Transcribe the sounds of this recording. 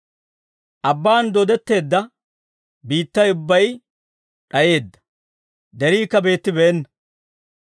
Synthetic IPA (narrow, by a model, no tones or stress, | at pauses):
ʔɐbːaːnd̪ɔd̪ɛt̪ːe̞ːd̪ːɐ | biːt̪ːɐjʊbːɐj | ɗɐje̞ːd̪ːɐ̥ | d̪ɛɾiːkːɐbe̞ːt̪ːɪbɛɛnːɐ